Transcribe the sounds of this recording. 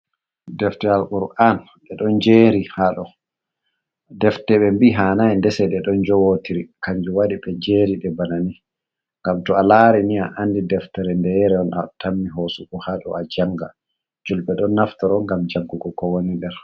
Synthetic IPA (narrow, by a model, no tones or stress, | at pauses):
dɛftɛɾalʔuɾʔan | ɓɛɗɔnd͡ʒeɾihaɗɔ | dɛftɛɓɛmbiɦanajndɛsɛɗɛɗɔnd͡ʒɔwotiɾikaɲd͡ʒuwaɗiɓɛd͡ʒeːɾiɗɛbanani | ŋɡamtɔalaɾiniaʔandidɛftɛɾɛndɛɾɛɔnatamːiɦosukɔhaɗɔ̰ad͡ʒaŋɡa̰ | d͡ʒulɓɛɗɔnːaftɔɾɔŋɡamd͡ʒaɡːuɡɔkɔwonidɛɾ